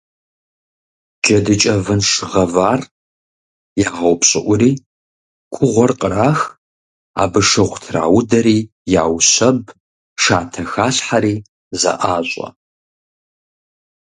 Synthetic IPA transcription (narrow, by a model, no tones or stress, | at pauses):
d͡ʒɐdɨt͡ʃʼɐvɨnʂɨʁɐvaːr | jaːʁɐwpɕʼɪʔʷʊɾiː | kʷʰʊʁʷɔrqʼəɾaːx | a̰ːbɨʂɐʁʷtʰra̰ːwʊdɐɾiː | ja̰ːwɕɐb | ʂaːtʰɐxaːɬħaɾiː | zɐ̰ʔaːɕʷʼɐ̰